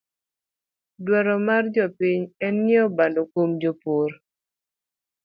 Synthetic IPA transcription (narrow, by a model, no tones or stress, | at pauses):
dwaɾɔmard͡ʒɔpiɲɛnːɛɔbandokomd͡ʒopoɾ